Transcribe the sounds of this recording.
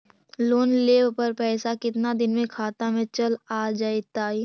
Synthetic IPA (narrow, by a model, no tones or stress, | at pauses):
loːnleːʋpɐɾpɛːsakɪt̪nad̪ɪnmẽkʰaːt̪amẽt͡ʃɐlaːd͡ʒaːit̪aːi